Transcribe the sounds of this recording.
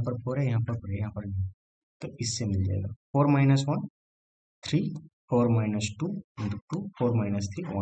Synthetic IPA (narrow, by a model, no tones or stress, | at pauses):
pɐɾpʰoɾɛjɐɦãːpɐɾpoːɾɛjɐɦãːpɐɾni | t̪oɪsːemɪld͡ʒa̰ːḛɡa̰ːpʰoːɾmaːɪnɐsʋɐn | t̪ʰɾiːpʰoːɾmaːɪnɐsʈuːɐ̃nd̪uʈuːpʰoːɾmaːɪnɐst̪ʰɾiːʋɐ